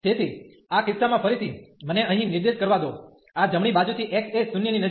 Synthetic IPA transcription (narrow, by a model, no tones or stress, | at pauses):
t̪ʰet̪ʰi | akɪsːamãfʰəɾit̪ʰiməneəɦĩnɪɾd̪eʃkəɾʋad̪o | ad͡ʒəmɳ̃ibad͡ʒut̪ʰiʔeksesʊnjəninə